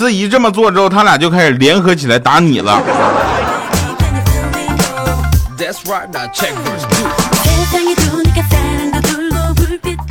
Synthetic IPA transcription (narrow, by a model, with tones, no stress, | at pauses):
ɹ̩˥˩i˧˥ʈ͡ʂə˥˩mə˩t͡swɔ˥˩ʈ͡ʂɻ̩˥xo˥˩ʊt̪ʰa˥lja˨˩t͡ɕjo˥˧ʊkʰa˥ɪʂɻ̩˨˩ljɛ˧˥nxɤ˧˥t͡ɕʰi˨˩la˧˥ɪt̪a˧˥nḭ˨˩lə̰˦ | ðætsɹaɪt̚t͡ʃʰɛk̚